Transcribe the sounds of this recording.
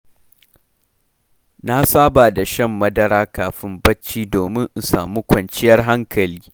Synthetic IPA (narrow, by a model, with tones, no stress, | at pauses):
na˦saː˦baː˨da˨ʃɐ˦˨mːɐ˦dɐ˦ɾaː˦kaː˨ɸɪ˦mbɐ˦t͡ʃːiː˦doː˨mɪ˦ŋʔsa̰ː˨muː˦kʷɐ˨nt͡ʃɪ˦jɐ˦rɦa˦ŋkʰɐ˨liː˦